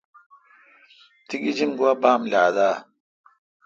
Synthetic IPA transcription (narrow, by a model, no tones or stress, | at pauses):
t̪ʰiɡid͡ʒinɡuwabaːmlaːd̪a